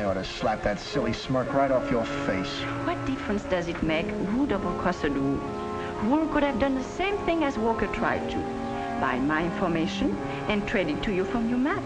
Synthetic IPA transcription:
ɔɾɨslæp̚ðɨtsɪlˠismɜ˞kɹaɪɾɔfjə˞feɪs | wʌt̚d̥ɪfɹə̃nsd̥ʌzɨt̚meɪkhudɔbəkʰɔsədu | hukʊɾɨvdʌ̃nðəsẽɪ̃mθɪ̃ŋɨzwɔkə˞tʰɹ̥a̰ɪd̚tʰṵ | baɪmaɪɪ̃nfə˞meɪʃɨ̃n | ɨ̃ntʰɹ̥ɛɾɨtʰːujufɹʌ̃mjəmæt̚

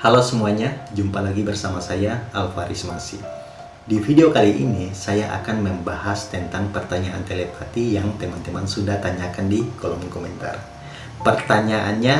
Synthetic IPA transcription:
halosəmuaɲad͡ʒumpalaɡibərsamasajaalfaɾismasḭ | difideokaliʔḭnisajaʔa̰kanməmbahast̪ənt̪aŋpərt̪aɲaʔa̰nt̪elepat̪ijaŋt̪emant̪emansudaht̪aɲakandikolɔmkomɛnt̪a̰r | pərt̪aɲaʔanɲa

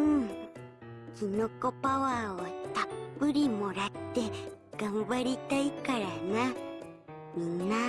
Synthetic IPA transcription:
kinokopawaot̪apɨɾimoɾat̪ekaβaɾit̪aikaɾaŋã | mina

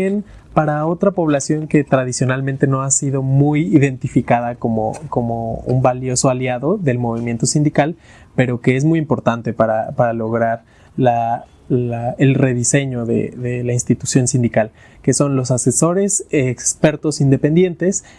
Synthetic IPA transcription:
en | paɾao̞t̪ɾapo̞β̞lasjo̞ŋke̞t̪ɾaðisjo̞nalmẽnt̪e̞no̞asiðo̞mujiðe̞nt̪ifikaðako̞mo̰ko̞mo̞ṵmbaljo̞so̞aljaðo̞ðe̞lmo̞β̞imje̞nt̪o̞sind̪ikal | pe̞ɾo̞ke̞ez̬mujimpo̞ɾt̪ant̪e̞paɾapaɾalo̞ɣɾaɾ | la | aelre̞ðise̞ɲo̞ðḛðe̞lainst̪it̪usjo̞nsĩnd̪ikal | ke̞so̞nlo̞sase̞so̞ɾe̞sekspe̞ɾt̪o̞sind̪epe̞nd̪je̞nt̪e̞s

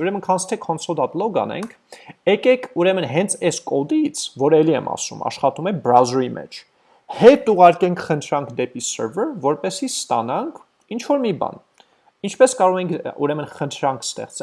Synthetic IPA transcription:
uɾɛmənkʰɑnsʰt̪ʰɛkʰɔnsɔld̪ɑt̪lɔɡɑ̰nɛ̰ŋkʰɛkɛkʰuɾɛmənɦɛnt͡sʰɛskɔd̪it͡sʰvɔɾɛliɛ̰mɑ̰sṵmɑ̰ʃχɑt̪umɛbɾawzɾimɛ̰t͡ʃʰ | hɛt̪uʁɑɾkɛŋkʰχənt̪ʰɾɑŋkʰd̪ɛpisə̰ɾvəɾvɔɾpɛsist̪ɑnɑŋkʰ | int͡ʃʰvɔɾmibɑ̰n | int͡ʃʰpɛskɑɾɔʁɛŋkʰuɾɛmənχənt̪ʰɾɑŋkʰst̪ɛ̰χt͡sɛ

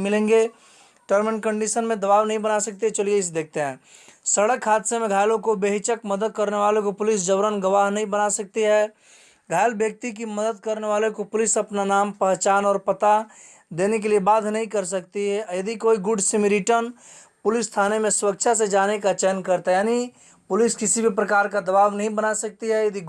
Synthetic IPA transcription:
mɪlẽːŋɡe | ʈəɾmɪnkə̃ɳɖiʃənmẽd̪ɐbaːʋnəɦĩbənasɐk̚t̪iɦɛt͡ʃəlieɪs̬d̪eːk̚ʰt̪eɦɛ̰̃ː | səɽəkʰːaːt̪semẽɡʱaːɪlõkobeɦɪt͡ʃəkməd̪əd̪̚kəɾneʋaːlekopʊlɪsd͡ʒəbɾənɡəʋaːɦnɐɦĩbənasɐk̚t̪iɦɛ | ɡʱaːɪlbjək̚t̪ik̬iməd̪əd̪̚kəɾneʋaːlekopʊlɪsɐpnanaːmpəɦt͡ʃaːnɔːɾpət̪a | d̪eːnek̬eliebaːd̪ʱnəɦĩkəɾs̬ək̚t̪iɦɛjɐd̪ʱikoːiɡʊɖsɪmiɾiʈən | pʊlɪsːt̪ʰaːnemẽsʊɾək̚t͡ʃʰas̬ed͡ʒaːnekat͡ʃɛːnkəɾt̪ajaːni | pʊlɪskɪsibʱipɾəkaːɾkad̪ɐbaːʋnɐɦĩbənasɐk̚t̪iɦɛjɐd̪i

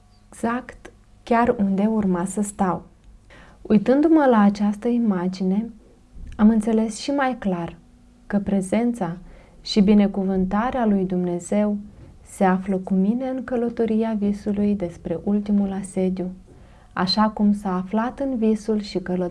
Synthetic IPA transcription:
eɡz̥akt̪ | kʲarund̪eaurmasəst̪aw | ujt̪ɨnd̪uməlaːt͡ʃast̪əimad͡ʒine̞ | amɨnt̪se̞le̞sʃimajklar | kəpɾe̞ze̞nt̪sa | ʃibine̞kuvɨnt̪aɾealujd̪umne̞ze̞wse̞afləkumine̞ɨŋkələt̪oɾiavisulujd̪e̞spɾe̞ʔult̪imulase̞d̪ju | a̰ʃakumsaːflat̪ɨnvisulʃikələ

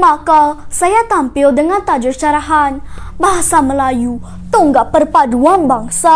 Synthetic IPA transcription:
makasajat̪ampiowdəŋant̪ad͡ʒəɾt͡ʃaɾaɦanbaɦsaməlaju | t̪oŋɡapəɾpaduanbaŋsa

